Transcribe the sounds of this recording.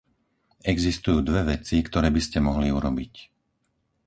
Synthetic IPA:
ɛɡzist̪ujuːd̪ʋɛʋɛt͡sikt̪ɔɾɛːbiscɛmɔɦliuɾɔbic

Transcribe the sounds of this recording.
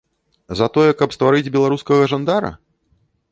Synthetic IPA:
zɐt̪ɔjɛkɐpst̪vaɾɨd͡zʲbʲɛlˠaɾuskɐɣɐʐand̪aɾɐ̰

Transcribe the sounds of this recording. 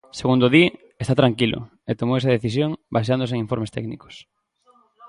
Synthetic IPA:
seɣund̪oði | est̪at̪ɾaŋkilʊ̰ | et̪omowesɐðeθis̬joŋbajʃ̬and̪os̬eŋiɱfoɾmest̪ɛ̰kniko̥s

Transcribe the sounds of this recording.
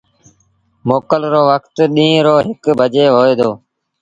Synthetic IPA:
moːkəlɾoːʋəkt̪ɗĩːɾoːɦɪkbʱəd͡ʒeːɦoːeːd̪oː

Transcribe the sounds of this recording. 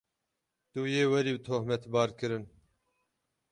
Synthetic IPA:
t̪uːjeːwɛɾiːbɨt̪ʰohmɛt̪bɑːɾkɨɾɨn

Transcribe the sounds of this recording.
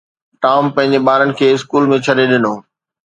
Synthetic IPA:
ʈaːʊmpɐ̃ɦɪ̃ɲd͡ʑeɓaːɾənɪ̆kʰeːɪskuːlmẽt͡ɕʰɐɗeɗɪnoː

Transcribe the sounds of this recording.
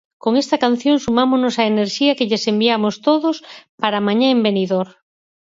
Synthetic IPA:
koŋest̪ɐkan̟θjoŋsumamoznosaeneɾʃiɐkeʎesembiamost̪oðospaɾamaɲãembeniðoɾ

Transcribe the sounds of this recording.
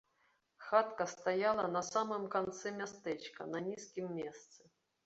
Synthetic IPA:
xat̪kəst̪ajalˠɐnɐsamɨmkɐnt̪sɛmʲast̪ɛt͡ɕkənɐnʲiskʲɪmːʲest̪sɨ

